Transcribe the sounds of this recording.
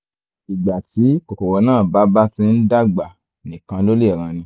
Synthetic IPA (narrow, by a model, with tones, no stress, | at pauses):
i˨ɡ͡ba˨ti˨˦ko˨ko˨wɔ˧˦nãː˦˨ba˨˦ba˦tĩ˧˦n̩˦da˦ɡ͡ba˨ | nĩ˨kã˧lo˦le˦˨ɾ̃ã˧nĩ˧